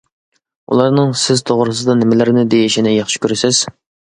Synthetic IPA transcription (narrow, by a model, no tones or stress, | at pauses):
ṵlˠɑɾnɨŋsɪzt̪ʰoʁɾɨsɨd̪ɑnɪmɪlɪɾɪnɪd̪ejiʃinɪjɑχʃi̥kʲʰøɾɪsɪz̥